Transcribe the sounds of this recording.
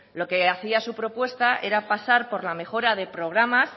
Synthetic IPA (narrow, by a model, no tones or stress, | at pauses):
lo̞ke̞aθiasupɾo̞pwe̞st̪aʔe̞ɾapasaɾpo̞ɾlame̞xo̞ɾaðe̞pɾo̞ɣ̞ɾamas